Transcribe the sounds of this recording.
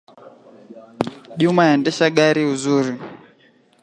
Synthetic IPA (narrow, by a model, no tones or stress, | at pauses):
ʄumajandɛʃaɡaɾiuzuːɾu